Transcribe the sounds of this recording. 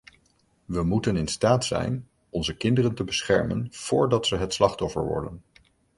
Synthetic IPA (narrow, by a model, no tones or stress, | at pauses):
ʋəmutənɪnstaːtsɛ̰jn | ɔnzəkɪndərəntəbəsχɛɹmə̰nv̥ʊːɹdɑtsəɦətslɑχtɔfə̰ɹʋɔ̰ɹdən